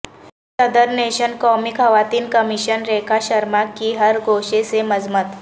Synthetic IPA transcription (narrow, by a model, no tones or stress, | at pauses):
səd̪əɾneɕənkɔmikɦəʋat̪iːnkəmiɕənɾekʰaɕəɾmakiːɦəɾɡʱoɕeseməd͡zmət̪